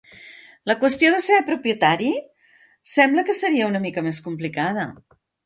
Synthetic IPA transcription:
ləkwəst̪ioðəsepɾupjət̪aɾi | sɛmbləkəsəɾiəunəmikəmeskumplikaðə̰

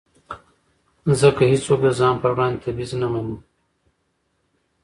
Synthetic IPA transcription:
zəkahit͡sok̚d̪əzɑːnpəwɾɑ̃nd̪ʲt̪abiznamanu

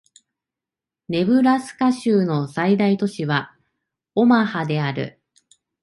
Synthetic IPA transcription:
ne̞bɯ̟ɾasɨ̥kaɕɨːno̞said̪ait̪o̞ɕiβa | o̞mahad̪e̞aɾɯ̟̰

